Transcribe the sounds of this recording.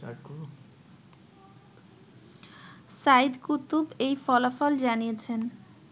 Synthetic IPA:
a̰ku | said̪kut̪ːubejfɔlafɔld͡ʑanijet͡ɕʰen

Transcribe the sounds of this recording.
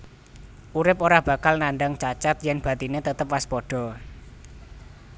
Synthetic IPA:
ʔuɾɪpoɾahb̥ä̤kalnanɖaŋt͡ʃat͡ʃat̪jɛnb̥a̤t̪inet̪ət̪əpwaspɔɖ̥ɔ̤

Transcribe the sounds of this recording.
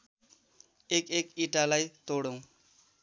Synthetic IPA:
ekekiʈalajt̪oɽõw̃

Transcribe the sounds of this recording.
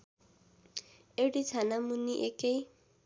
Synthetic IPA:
eɽit͡sʰanamuniʔekej

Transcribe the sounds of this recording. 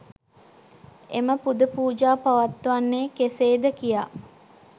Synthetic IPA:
ḛməpud̪əpuːd͡ʒaːpaʋat̪ːʋanːeːkeseːd̪əkija

